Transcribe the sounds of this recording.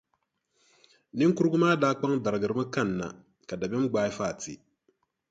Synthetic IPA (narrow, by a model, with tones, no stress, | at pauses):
ni˦ŋ˦ku˦ɾɡu˦maː˦daː˨˦k͡pa˦ŋda˨ɾɡɨ˨ɾmɨ˦ka˦˨nːa̰˨ | ka˨da˨bɛ˦m˦ɡ͡baː˨˦i˦faː˦˨tḭ˨